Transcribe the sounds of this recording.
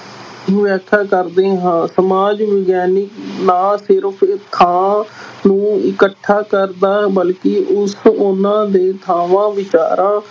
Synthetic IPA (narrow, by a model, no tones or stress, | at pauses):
ĩʋɛːkʰaːkəɾd̪eːɦãːsəmaːd͡ʒʋɪɡɛːnɪknaːsɪɾpʰt̪ʰãːnũːɪkəʈʰːaːkəɾd̪aːbəlkɪʔʊsʊnãːd̪eːt̪ʰaːʋãːʋɪt͡ʃa̰ːɾãː